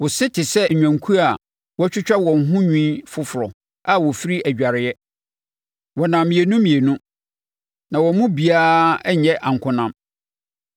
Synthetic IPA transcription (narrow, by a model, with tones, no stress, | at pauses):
wɔ˨sɪ˦tʰɪ˨sɛ˦˨ɲᶣã˨ŋkʰu˦a˨ | wɔ˦t͡ɕᶣʊ˦t͡ɕᶣa˦wɔ̃˨n˨ɦʊ̃˦ɲᶣĩ˦fʊ˦fʊ˨ɾɔ˨ | a˦wɔ˨fi˦ɾi˦æ˨d͡ʑᶣa˨ɾɪ˨jɛ˦ | wɔ˨nã˨mĩ˨e˨nũ˦mĩ˨e˨nũ˦ | nã˨wɔ˨mũ˦bi˨aː˦ɲɛ˦ʔã˨ŋ̩˨kʰʊ̃˦nã˦m